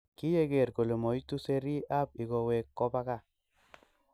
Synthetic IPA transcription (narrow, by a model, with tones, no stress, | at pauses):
ki˦je˦ke˨ɾko˨le˨mo˨jtu˦se˧ɾi˦a˦p̚i˨ɡɔ˨we˨kːɔ˦pa˦ka˦˨